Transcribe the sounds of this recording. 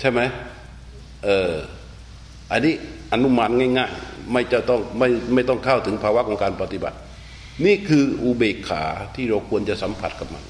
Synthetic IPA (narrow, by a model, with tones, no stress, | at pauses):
t͡ɕʰa˥˩jma˦˥j | ʔɤː˨˩ | ʔa˧nːiː˦˥˨ʔa˧nːu˧˥˩ma˧˥t̪̚ŋaː˥˩jŋaː˧˩jma˥˩jt͡ɕa˧˩t̪ɔ˥˩ŋma˥˩jma˥˩jt̪ɔ˥˩ŋkʰaː˥˩wt̪ʰɯ˩˦ŋpʰaː˧wa˦˥kʰɔ˨˦ŋkaː˧npa˧t̪i˧˩ba̰˨˩t̪̚ | niː˥˩˨kʰɯː˧ʔuː˧beː˨˩kʰːa̰ː˨˩˦t̪ʰiː˥˩ɾa˧wkʰu˧ənt͡ɕa˧ʔsa˨˦mpʰa˨˩t̪̚kʰa˧˦p̚ma̰˧˩n